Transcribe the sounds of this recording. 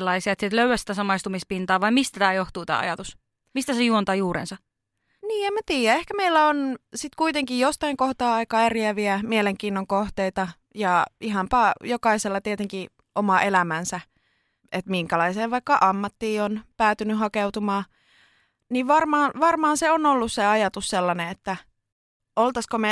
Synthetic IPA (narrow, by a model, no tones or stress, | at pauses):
lːɑisiɑet̪sit̪løyæsi̥t̪æsɑmɑist̪umispint̪ɑːʋɑimist̪æt̪æːjoht̪uːt̪æ̰ːɑ̰jɑt̪us | mist̪æsejuont̪ɑːjuːɾḛnsɑ | niːemæt̪iːjæehkæmeilːæonsit̪kuit̪eŋkijjost̪ɑiŋkoht̪ɑːɑikɑːæriæʋiæmieleŋkiːnːoŋkoht̪eit̪ɑ | jɑiɦɑmpɑːjokɑiselːɑt̪iet̪eŋki | ʔomɑʔelæmænsæ | et̪miŋkælɑiseːʋɑikːɑʔɑmːɑt̪ːiːonpæːt̪ynyɦɑkeut̪umɑː | niʋʋɑrmɑːnʋɑrmɑːnseonolːusseɑjɑt̪usselːɑneet̪ːæ | olt̪ɑskome